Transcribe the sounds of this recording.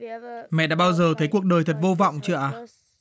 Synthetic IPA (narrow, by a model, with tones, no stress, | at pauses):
mɛ̰˧˨ɗa̰ː˧˥ɓaː˧wzəː˨˩t̪ʰə˨˦jku˨˩ək̚ɗəː˨˩jt̪ʰə˨˩t̚vo˧vɔ̰˧˨wŋ͡mt͡ɕɨ˧˨ʔaː˨˩